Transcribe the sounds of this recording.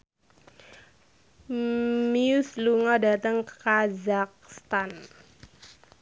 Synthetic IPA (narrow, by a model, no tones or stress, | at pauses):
miusluŋɔdat̪əŋkəkazak̚st̪an